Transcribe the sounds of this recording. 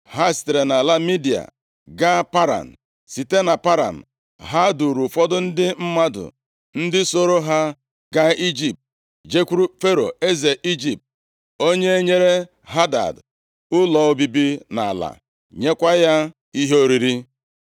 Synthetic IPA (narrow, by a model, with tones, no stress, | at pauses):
ɦa˦˨ste˨ɾe˨na˨la˦mi˦di˨a̰˨ | ɡa˦pa˦ɾa̰˨n̩˨ | si˨te˦na˨pa˦ɾa̰˨m̩˨ | ɦa˦du˨ɾu˨fɔ˦dʊ˦n̩˦dɪ˦m̩˦ma˦dʊ̰˨ | n̩˦dɪ˦so˦ɾo˦ɦa˦ | ɡa˦i˦d͡ʒi˨p̚t̚ | d͡ʒe˦kʷu˦ɾu˦fe˦ɾo̰˨e˦ze˨ʔi˦d͡ʒi˨p̚t̚ | o˦ɲe˦e˦ɲe˦ɾe˦ | ɦa˦da̰˨d | ʊ˦lɔ˨o˦bi˦bi˦na̰˨la̰˨ | ɲe˦kʷa˦ja˦ | i˦ɦe˦o˦ɾi˨ɾi˦